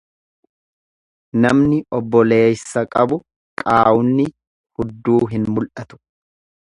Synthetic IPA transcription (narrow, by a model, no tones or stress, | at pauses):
nɐmnɪʔɔbːɔle̞ːsːɐkʼɐbʊ | kʼaːʔʊnːɪ | hʊd̪ːuːɦɪnmʊlʔɐt̪ʊ̥